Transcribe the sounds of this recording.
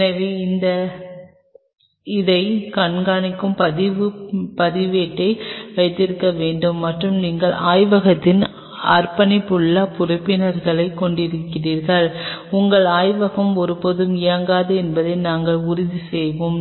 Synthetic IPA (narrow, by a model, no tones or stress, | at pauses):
nɐʋeːɪnd̪ɐ | ɪðɐɪkɐɳɡaːnɪkːɯmpɐðɪʋɯpɐðɪʋeːʈːɐɪʋɐɪt̪ːɪɾɯkːɐʋeːɳɖɯmːɐʈrɯmniːŋɡɐɭaːjʋɐɣɐt̪ːɪn | ɐɾpɐnɪpːɯɭːɐpʊɾʊpːɪnɐɾɣɐɭɐɪkːɔɳɖɪɾɯkːɪriːɾɣɐɭʊŋɡɐɭaːjʋɐɣɐmɔɾɯpoðɯmɪjɐŋɡaːðɯɛnbɐðɐɪnaːŋɡɐɭʊɾʊðisɛjʋɯm